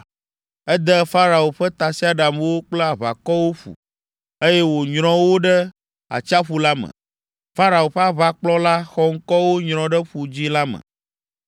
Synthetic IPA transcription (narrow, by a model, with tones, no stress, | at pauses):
ɛ˦d̪ɛ˦fa˦ɾa˨wo˨ɸɛ˦t̪a˨si˦a˨ɖa˨m˦wo˦k͡pla˨βa̰˨kɔ˦wo˦ɸṵ˨ | e˦jɛ˦wo˨ɲɾ̃ɔ̃˦wo˦ɖɛ˦ | a̰˨t͡ʃa˦ɸu˨la˦mə̰̃˨ | fa˦ɾa˨o˨ɸɛ˦a˦βa˦k͡plɔ˦la˦xɔ˦ŋ̩˦kɔ˦wo˦ɲɾ̃ɔ̃˨ɖɛ˦ɸu˨d͡ʑi˦la˦mə̰̃˨